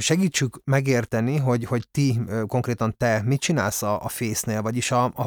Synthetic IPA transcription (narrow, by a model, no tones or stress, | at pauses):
ʃɛɡiːt͡ʃːykmɛɡeːrt̪ɛniɦo̞ɟho̞ɟt̪iko̞ŋkreːt̪ɒnt̪ɛmit̪̚t͡ʃinaːlsɒʔfeːsneːlvɒɟiʃɒ